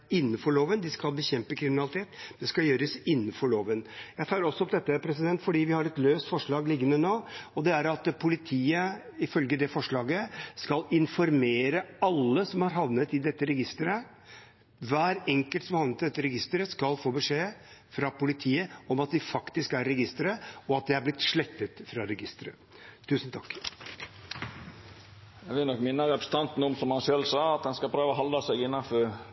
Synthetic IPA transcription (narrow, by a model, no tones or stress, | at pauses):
ɪnːənfɔɭoːʋənd̪ɪskɑlbəçɛmpəkʰɾɪmɪnɑlɪt̪ʰeːt̪d̪̥ɛskɑljøːɾəsɪnːənfɔɭoːʋənjæɪt̪ʰɑːɾɔsːɔɔmd̪ɛt̪ːəpʰɾɛs̬ɪd̪ɛnt̪fɔɖiːʋɪhɑɾɛt̪løːst̪fɔʂɭɑːɡlɪɡːənənoːɔd̪ɛæɾɑt̪pʰʊlɪt̪ʰiːə | ɪfœlɡəd̪ɛfɔʂɭɑːɡəskɑlɪnfɔɾmeːɾəɑlːəsɔmhɑɾɦɑʋnət̪ɪd̪ɛt̪ːəɾɛɡɪst̪əɾə | ʋæːɾɛŋkəlt̪sɔmhɑʋnət̪ɪd̪ɛt̪ːəɾɛɡɪst̪əɾəskɑlfoːbəʂeːfɾɑpʊlɪt̪ʰiːəɔmɑt̪̚d̪ɪfɑkt̪ɪskæɾːɛɡɪst̪əɾəɔɑt̪̚d̪ɛhæɾblɪt̪ʂɭɛt̪ːət̪fɾɑɾɛɡɪst̪əɾə̰ | t̪ʰʉːsənt̪ʰɑkː | jɛɡʋɪlnɔkːmɪnːəɾɛpɾəsə̥t̪ɑnt̪n̩ɔmsɔmhɑnʃœlsɑːɑt̪̚dɛnskɑpʰɾøːʋəɦɑld̪ɑsɛɡɪnːɑnfɔɾ